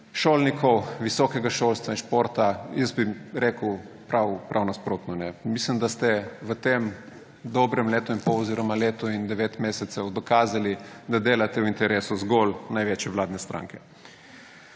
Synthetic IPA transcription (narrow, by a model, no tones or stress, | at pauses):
ʃoːlnikʰɔwʋisɔːkɛɡaʃoːlst̪ʋainʃpoːɾt̪ajəsbiɾekəwpɾawpɾʔawnaspɾoːt̪nɔnɛmislimd̪ast̪ɛʋət̪em | d̪ɔbɾɛmleːt̪ɔimpɔwɔziːɾɔmaleːt̪ɔind̪ɛʋeːt̪meːsɛt̪sɛwd̪ɔkaːzalid̪ad̪eːlat̪ɛwint̪ɛɾeːsuzɡolnajʋeːt͡ʃjɛʋlaːd̪nɛst̪ɾʔa̰ːŋkɛ̥